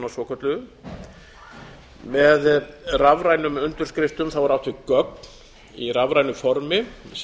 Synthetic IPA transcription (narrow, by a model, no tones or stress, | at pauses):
nasɔːkʰœt̪lʏ | mɛðravɾajnʏmʏnt̪ʏɾ̥skɾɪft̪ʏmθawvaɾawht̪vɪkœk̚n | iravɾajnʏfɔɾmɪs